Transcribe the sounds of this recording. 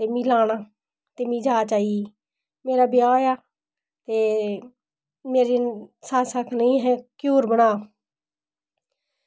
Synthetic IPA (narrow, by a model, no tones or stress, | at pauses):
t̪eːmĩːlaːnaː | t̪eːmĩːd͡ʒaːt͡ʃaːieː | meːɾaːbjaːjaː | t̪eː | meːɾeːsaːsakʰnəĩːɦɛːkjuːɾbənaː